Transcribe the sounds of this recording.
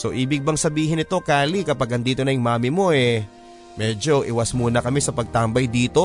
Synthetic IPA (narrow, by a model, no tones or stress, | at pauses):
so̞ʔiːbɪɡ̚bɐŋsɐbiːɦɪnɪt̪o̞kaːlikɐpaɡɐnd̪iːt̪o̞nɐjɪŋmaːmɪmo̞ʔɛ | mɛːd͡ʒo̞ʔɪwɐsmuːnɐkɐmɛsɐpɐɡ̚t̪aːmbɐjd̪iːt̪o̞